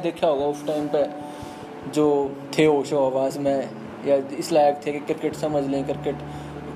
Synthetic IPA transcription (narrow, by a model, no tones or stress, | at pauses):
d̪eːkʰaoɡaʊsʈaːɪmpe | d͡ʒoː | t̪ʰeɦoːʃoaːʋaːzmẽ | jaɪslaːjək̚t̪ʰekekɪɾɪkəʈsɐməd͡ʒʱlẽkɪɾkəʈ